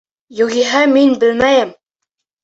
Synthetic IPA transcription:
jŭɣiɦæminbɘ̆lmæjɘm

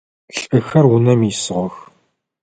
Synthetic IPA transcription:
ɬʼɨxɐrwʊnɐmisɨʁʷɔx

